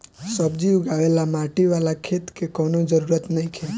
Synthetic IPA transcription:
səbd͡ʒiuɡaʋelamãʈiʋalakʰet̪kekɔːnod͡ʒəɾuɾət̪nəĩkʰe

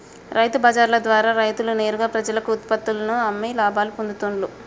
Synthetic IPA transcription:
ɾʔɐjt̪ubɐːd͡ʒaːɾlɐd̪ʋaːɾaːɾɐjt̪ulune̞ːɾuɡaːpɾɐd͡ʒɐlɐkuːt̪̚pɐt̪ːulɐnuɐmːilaːbaːlupond̪ut̪uɳlu

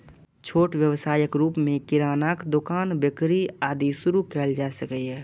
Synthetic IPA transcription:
t͡ʃʰoːʈwjəwsaːjəkɾuːpmẽkɪɾaːnaːkd̪ʊkaːnbɪkɾiaːd̪isʊɾukɛːld͡ʒaːsəkɛɦɛː

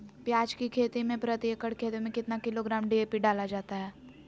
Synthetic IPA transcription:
pjaːd͡ʒkikʰeːt̪imẽpɾət̪iekəɽkʰeːt̪imẽkɪt̪nakɪloɡɾaːmɖieːpiɖaːlad͡ʒaːt̪aɦɛː

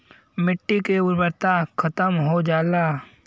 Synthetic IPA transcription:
mɪʈːikeʊɾbəɾt̪akʰɐt̪əmɦod͡ʒaːlaː

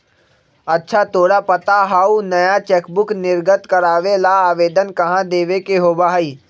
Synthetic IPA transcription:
ɐtːʃʰat̪oːɽapɐt̪aɦaːunɐjat͡ʃɛːkbʊknɪɾɡət̪kɐɾaːʋelaaːʋeːd̪ənkɐɦãd̪eːʋekeɦoːbaɦiː

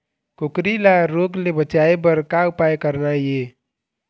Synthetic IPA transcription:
kokɾilaɾoɡlebət͡ʃaebəɾkaupajkəɾnaje

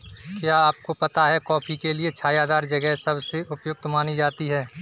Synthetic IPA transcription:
kjaːaːp̚kopɐt̪aɦɛkɔːpʰikeliet͡ʃʰaːjaɦəzaːɾd͡ʒɐɡɛɦsɐbseʔʊpjʊɡ̚t̪maːnid͡ʒaːt̪iɦɛː

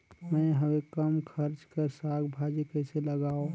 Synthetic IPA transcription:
mə̃ɦəwekəmkʰəɾt͡ʃkəɾsaɡbʱad͡ʒikɛɪseləɡaːo

